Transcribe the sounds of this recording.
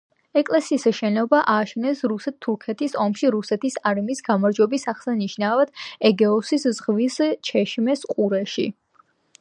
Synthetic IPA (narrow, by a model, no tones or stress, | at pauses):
ɛkʼlɛsiːsʃɛnɔbaʔaːʃɛnɛsɾusɛt̪ʰːuɾkʰɛt̪ʰisɔmʃiɾusɛt̪ʰisaɾmisɡamaɾd͡ʒwɛbisaχsaniʃnavad̪̥̚ɛɡɛɔsiszʁvist͡ʃʰɛʃmɛsqʼuɾɛʃḭ